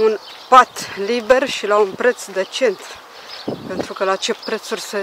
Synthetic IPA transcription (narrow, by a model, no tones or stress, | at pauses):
un | pat̪libe̞rʃilaunpɾe̞t̪sd̪e̞t͡ʃe̞nt̪ | pe̞nt̪ɾukəlat͡ʃe̞pɾe̞t̪surʲse